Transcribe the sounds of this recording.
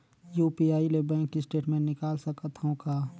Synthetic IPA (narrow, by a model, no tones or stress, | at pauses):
juːpiaːilebɛ̃ːkːisʈeːʈmẽnnːɪkaːlsəkət̪ʰɦõkaː